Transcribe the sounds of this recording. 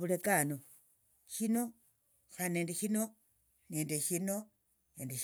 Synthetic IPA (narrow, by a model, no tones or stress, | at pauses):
βulekano | ʃino̞ | xane̞ːndeʃino̞ | ne̞ːndeʃino̞ | neːndeʃ